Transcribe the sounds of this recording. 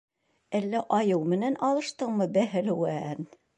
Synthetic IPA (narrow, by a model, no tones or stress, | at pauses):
ælːæʔɑjɤwmɘ̆nænɑlˠɤ̆ʃt̪ɤɴmɤbæɦɘ̆lɘwæn